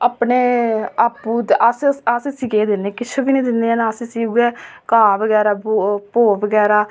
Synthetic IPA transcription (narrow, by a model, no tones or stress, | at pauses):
aːpneːaːpːuːd̪ʔaːsaːseːsiɡeːd̪ɪnːeːkɪt͡ʃʰebiːnẽːd̪ɪnːeːanaːsiːsiːuɡɛːkaːbəɡɛːɾaːbpoːbəɡɛːɾaː